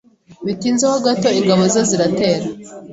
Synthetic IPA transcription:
βitiːnzehoɡato̞iŋɡaβo̞zaziɾate̞ːɾa

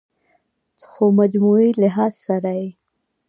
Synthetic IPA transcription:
t͡sxomad͡ʒmuilɪɦɑzsaɾaji

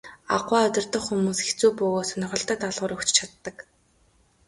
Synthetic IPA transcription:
a̰ʁwaːʊt̪ʲɪ̆rt̪ɞ̆χxumuːset͡suːpɵːɣoːsœnɪ̆ʁɞ̆ɬt̪ə̆t̪aɮʁʊ̆ːɾɵkt͡ɕt͡ɕʰat̪ːə̆k

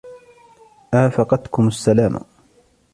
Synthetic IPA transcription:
ʔaːfɑqɑt̪kʊmasːalaːma̰

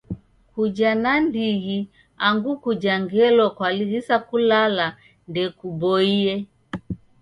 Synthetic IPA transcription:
kud͡ʒanandiɣi | aŋɡukud͡ʒaŋɡɛlɔkwaliɣisakulala | ndɛkubɔiɛ

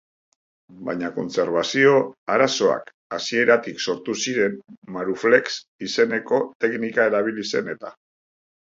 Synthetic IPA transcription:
bajɲako̞̰nse̞ɾβasio̞aɾaso̞a̰k | asie̞ɾat̪ikso̞ɾt̪usiɾe̞mmaɾufleks | ise̞ne̞ko̞t̪e̞knikae̞ɾaβ̞ilise̞ne̞t̪a

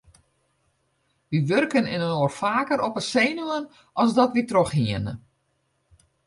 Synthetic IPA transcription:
ʋiʋørkənɪnənoːrfaːkəɾɔpəseːnuən | ʔɔlˠzdɔtʋitroxɦiənə

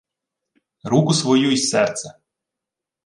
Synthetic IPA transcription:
ɾukʊsʋɔjuisɛrt̪sɛ

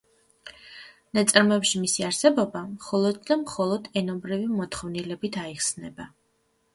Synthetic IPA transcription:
nat̪sʼɾmɔɛpʃimisiaɾsɛbɔbamχɔlˠɔd̪̚d̪amχɔlˠɔd̪ɛnɔmbɾivimɔt̪ʰχɔvnilɛbit̪ʰaiχsnɛba

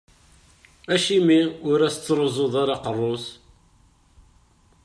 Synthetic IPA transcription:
æʃimiʊɾæst͡sːɾˤozˤoðˤaɾɑqərˤːos

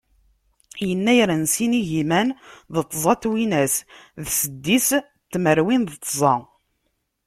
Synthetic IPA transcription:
jənːæjɾənsiniʝimænðət̪ˤːzˤɑt̪winæsðsəd̪ːis | t̪ːməɾwinðət̪ˤːzˤɑ

